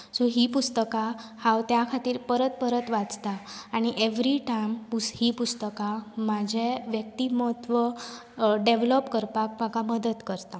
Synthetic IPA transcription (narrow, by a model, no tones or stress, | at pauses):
soɦipust̪əkahawt̪jakʰat̪iːɾpəɾət̪̚pəɾət̪ʋat͡st̪aːɽ̃iʔeʋɾiʈajmpuhipust̪əkamad͡ʑʱeʋjək̚t̪iməɦət̪ːʋə | ɖeʋlɔpkəɾpak̚pakaməd̪əd̪kəɾt̪a